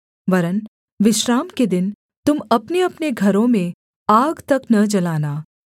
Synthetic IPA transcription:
ʋɐɾən | ʋɪʃɾaːmked̪ɪn | t̪ʊmɐpneɐpneɡʱɐɾõmẽ | aːɡt̪ɐknɐd͡ʒɐlaːnaː

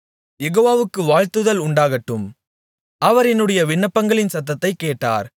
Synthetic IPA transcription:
jɛɣoːʋaːʋɯkːɯʋaːɻt̪ɯðɐlʊɳɖaːɣɐʈːɯm | ʔɐʋɐɾɛnːɯɽɐjɐʋɪɳːɐpːɐŋɡɐɭɪnsɐt̪̬ːɐt̪ːɐɪkːeːʈːa̰ːɾ

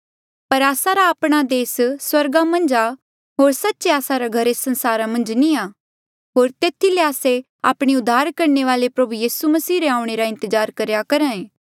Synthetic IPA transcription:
pɐɾaːsaɾaːpɽ̃ad̪eːsswɐɾɡamɐ̃nd͡ʒa | ɦoːɾsɐtːʃeaːsaɾaɡʱɐɾesɐ̃nsaːɾamɐ̃nd͡ʒnia | ɦoːɾt̪eːt̪ʰileaːse | a̰ːpɽ̃iʊd̪ʱːaːɾkɐɾneʋaːlepɾɐbujiːsumɐsiːɾeãːʊ̃ɽ̃eɾaɪ̃nt̪əzaːɾkɐɾjakɐɾãːẽː

